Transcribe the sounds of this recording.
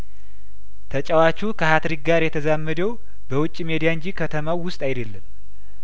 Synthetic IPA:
t̪ʰət͡ʃʼəwat͡ʃːukʰəhat̪ɾik̚ɡaɾjɛt̪ʰəzamːəd̪əw | bəwʊt͡ʃʼːimed̪ijaɨɲd͡ʒikʰət̪ʰəmawːʊst̪ʼajd̪elːɨm

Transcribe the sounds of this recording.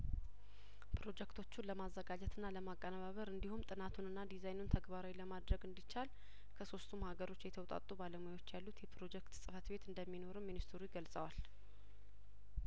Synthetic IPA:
pʰɾo̞d͡ʒɛkt̪ʰo̞t͡ʃːunləmazːəɡad͡ʒɛt̪ʰɨnːaləmakʼːənaβaβəɾɨnd̪ihumt̪ʼɨnat̪ʰunɨnːad̪izajnunt̪ʰəɡbaɾawiləmad̪ɾəɡɨnd̪it͡ʃːal | kʰəso̞st̪ʰumhaɡəɾo̞t͡ʃːjɛt̪ʰəwt̪ʼa̰t̪ʼːubaləmujwo̞t͡ʃːjalːut̪jɛpʰɾo̞d͡ʒɛkt̪sʼɨfət̪be̞t̪ɨnd̪əmːino̞ɾɨmːinist̪ʰɨɾujiɡəlsʼəwal

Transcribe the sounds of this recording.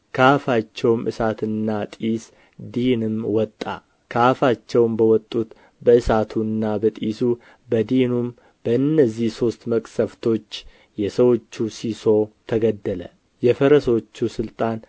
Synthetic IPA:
kʰafat͡ʃːɛwmʔɨ̰sat̪ɨnːat̪ʼis | d̪inɨmwɔt̪ʼːa̰ | kʰafat͡ʃːɛwmbəwɔt̪ʼːut̪ | bəɨsat̪ʰuɨnːabət̪ʼisu | bəd̪inum | b̥əɨnːəzːihso̞st̪məkʼsəft̪ʰo̞t͡ʃː | jɛsəwo̞t͡ʃːusiso̞t̪ʰəɡəd̪ːələ̰ | jɛfəɾəso̞t͡ʃːusɨlt̪ʼan

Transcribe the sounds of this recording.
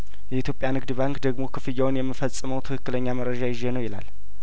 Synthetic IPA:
jɛit̪ʰjopʼjanɨɡd̪ɨbaŋkd̪əɡmo̞kʰɨfɨjːawnjɛmːɨfəsʼːɨməwt̪ʰɨkʰɨkːɨləɲːaməɾːəd͡ʒajɪʒːenəwjɪla̰l

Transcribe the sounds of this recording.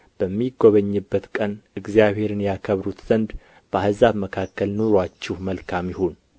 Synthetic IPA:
b̥əmːiɡoβəɲːɨbːət̪kʼənɨɡzjaβhe̞ɾɨnjakʰəβɾut̪z̥ənd̪ | b̥əahzaβməkʰakːəlnoɾwat͡ʃːɪhməlkʰamjɪho̞n

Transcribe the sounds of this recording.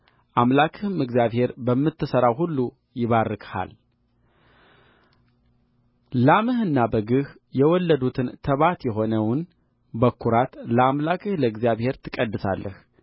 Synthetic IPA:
ʔamlakʰɨhɨmɨɡzjaβhe̞ɾbəmːɨt̪ʰːɨsəɾawɦulːu | jɪβarɨkʰʼha̰l | lamɨhɨnːabəɡɨh | jɛwɔlːəd̪ut̪ʰɨnt̪ʰəβat̪jɛɦo̞nəwn | bəkʰːuɾat̪ləamlakʰɨhləɨɡzijaβhe̞ɾt̪ʰɨkʼəd̪ːɨsa̰lːəh

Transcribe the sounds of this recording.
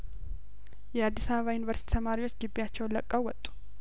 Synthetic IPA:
jɛad̪ːisaββajunivəɾsit̪ʰit̪ʰəmaɾiwo̞t͡ʃːɡɨbːijat͡ʃːɛwnləkʼːəwwɔt̪ʼːu̥

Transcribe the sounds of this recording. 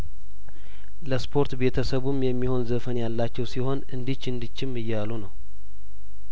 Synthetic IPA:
ləspʰo̞ɾt̪be̞t̪ʰəsəβumjɛmːiho̞nzəfənjalːat͡ʃːɛwsiho̞nɨnd̪ɨt͡ʃːɨnd̪ɨt͡ʃːɪmːɨjːalunəw

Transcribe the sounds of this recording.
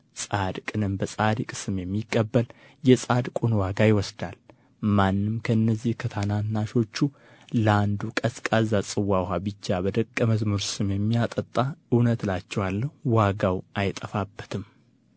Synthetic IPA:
sʼad̪kʼɨnɨmbəsʼad̪ikʼsɨmjɛmːikʼːəbːəl | jɛsʼad̪kʼunwaɡajɪwɔsd̪al | manːɨmkʰəɨnːəzːihkʰət̪ʰananːaʃo̞t͡ʃːu | ləand̪ukʼəskʼazasʼɨwːaɦabɨt͡ʃːabəd̪əkʼːəməzmuɾsɨmjɛmːijat̪ʼət̪ʼːaɨwnət̪lat͡ʃːɛwalːəhwaɡawʔajt̪ʼəfabːə̥t̪ʰɨm

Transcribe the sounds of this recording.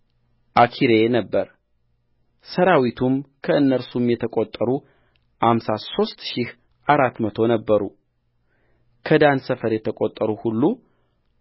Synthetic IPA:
ʔakʰiɾe̞nəbːəɾ | səɾawit̪ʰumkʰəɨnːəɾsumjɛt̪ʰəkʼot̪ʼːəɾu | hamsaso̞st̪ʃih | ʔaɾat̪ːmət̪ʰo̞nəbːəɾu | kʰəd̪ansəfəɾjɛt̪ʰəkʼot̪ʼːəɾuhulːu

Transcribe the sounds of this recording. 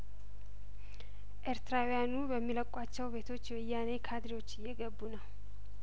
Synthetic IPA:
ʔeɾt̪ɾawjanubəmːiləkʼat͡ʃːɛwbe̞t̪ʰo̞t͡ʃːwɨjːanekʰad̪ɾiwo̞t͡ʃːɪjːɛɡəbːunə

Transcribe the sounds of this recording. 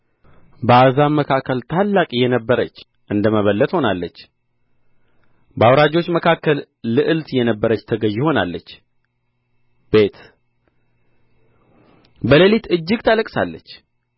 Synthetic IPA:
bəazammːəkʰakːəlt̪ʰalːakʼjɛnəbːəɾət͡ʃː | ʔɨnd̪əməβəlːət̪ho̞nalːət͡ʃː | bəawɾad͡ʒo̞t͡ʃːməkʰakːəlː | ɨʔɨlt̪jɛnəbːəɾət͡ʃːt̪ʰəɡəʒːɪho̞na̰lːət͡ʃː | b̥e̞t̪ | bələlit̪ɨd͡ʒːɨɡt̪ʰaləkʼsalːət͡ʃː

